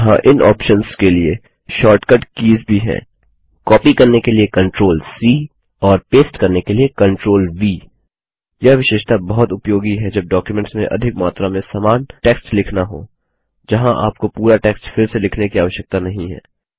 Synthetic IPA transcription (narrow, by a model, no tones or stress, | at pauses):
ɦã̰ʔɪnʔɔ̰ːpʃənskelie | ʃɔːɾʈkəɖkiːzbʱiɦɛ̰̃ː | kɔːpikɐɾnekeliekɐ̃ɳʈɾoːlsiː | ɔːɾpeːsʈkɐɾnekeliekɐ̃ɳʈɾoːlʋiː | jɐʋɪʃeːʃt̪abɐɦʊt̪ʊpjoːɡiɦɛd͡ʒɐb̚ɖɔːkjumɛ̃ɳʈsmḛ̃ʔɐ̰d̪ʱɪkmaːt̪ɾamẽsaːmaːnʈɛːksʈlɪkʰnaɦo̰ː | d͡ʒɐɦãʔa̰ːp̚kopuːɾaʈɛːksʈfʰɪɾselɪkʰnekiaːʋəʃjək̚t̪anɐɦĩɦɛ̰ː